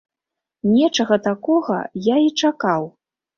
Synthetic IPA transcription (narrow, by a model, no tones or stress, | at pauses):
nʲɛt͡ʂɐɣɐt̪akɔɣɐ̰jait͡ʂakaw